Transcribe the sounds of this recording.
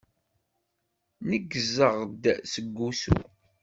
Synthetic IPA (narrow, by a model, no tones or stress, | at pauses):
nəɡːzəʁd̪səɡːusṵ